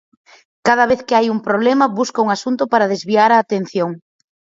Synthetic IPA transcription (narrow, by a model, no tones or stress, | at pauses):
kað̞ɐβ̞eθkɪajuŋpɾoβlemɐβuskauŋasunt̪ʊpaɾað̞ezβiaɾaːt̪en̟θjoŋ